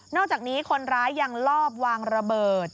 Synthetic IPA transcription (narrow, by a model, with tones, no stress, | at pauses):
nɔː˥˩k̚t͡ɕaː˨˩niː˦˥kʰo˧nɾaː˦˥jːa˧ŋlɔː˥˩p̚waː˧ŋɾa˧bɤː˨˩t̪̚